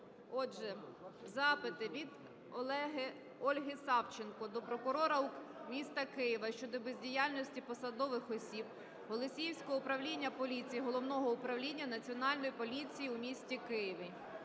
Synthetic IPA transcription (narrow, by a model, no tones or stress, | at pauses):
ɔʒɛzɑpɪt̪ɪʋʲid̪ | ɔlˠɛɦɪ | ɔlʲɦɪsɑwt͡ʃɪnkɔd̪ɔpɾɔkʊɾɔɾɐu | mʲist̪ɐkɪjɪʋɐʃt͡ʃɔd̪ɔbezʲdʲijɑlʲnʲɔsʲtʲipɔsɐd̪ɔʋɪxɔsʲib̚ | ɦɔlˠɔsʲijwsʲkɔɦɔʊpɾɐwlʲinʲːɐpɔlʲit͡sʲijiɦɔlˠɔwnɔɦɔʊpɾɐwlʲinʲːɐnɐt͡sʲiɔnɑlʲnɔjipɔlʲit͡sʲijiʊmʲisʲtʲikɪjɪʋɪ